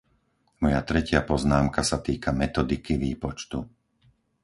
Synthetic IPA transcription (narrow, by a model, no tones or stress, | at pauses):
mɔjat̪ɾɛcɪapɔznaːmkasat̪iːkʰamɛt̪ɔd̪ikiʋiːpɔt͡ʃt̪u